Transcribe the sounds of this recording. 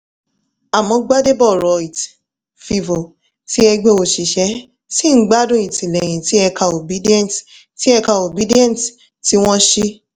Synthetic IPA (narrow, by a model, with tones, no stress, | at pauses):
a˨mɔ̃˧ɡ͡ba˦de˦bɔ˦˨ɾɔ˨i˨t | fi˧vo˨ | ti˦ɛ˧ɡ͡be˧o˨ʃi˨ʃɛ˨˦ | si˦n̩˦ɡ͡ba˦dũ˦˨i˨tĩ˨lɛ˨j̃ĩ˨ti˨˦ɛ˧ka˧˨o˨bi˦di˦ɛ̃˦˨nt | ti˨˦ɛ˧ka˧o˨bi˨˦di˦ɛ̃˦nt | ti˦w̃ɔ̃˦ʃi˦